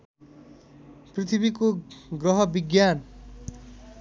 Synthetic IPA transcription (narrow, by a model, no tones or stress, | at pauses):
pɾit̪ʰibikoɡɾɔɦʌbiɡjan